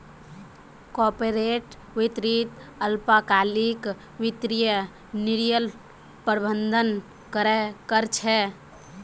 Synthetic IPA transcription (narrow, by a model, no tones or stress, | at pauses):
kɔpeɾeʈ | ʋɪt̪ɾit̪əlpakalik | wɪt̪ɾijə | niɾjəl | pəɾbənd̪ʱən | kəɾɛkəɾt͡ʃʰɛ